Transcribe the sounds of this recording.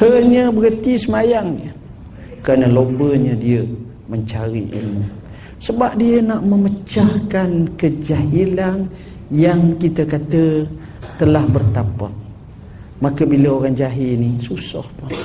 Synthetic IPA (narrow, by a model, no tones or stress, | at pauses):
həɲəbəɡət̪isəmajaŋɲə | kəɾanəlobəɲədiə | məɲt͡ʃaɾḭʔḭlmu | səbap̚diənaʔməmət͡ʃahkankəd͡ʒaɦilan | jaŋkit̪əkat̪ə | t̪əlahbərt̪apa̰ʔ̚ | makəbiləoɾaŋd͡ʒaɦinisusɔ̰ht̪a